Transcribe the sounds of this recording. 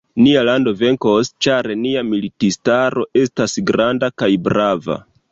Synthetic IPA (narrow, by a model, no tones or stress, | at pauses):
nialando̞ve̞ŋko̞st͡ʃaɾeniamilitistaɾo̞ʔe̞stasɡɾandakajbɾava̰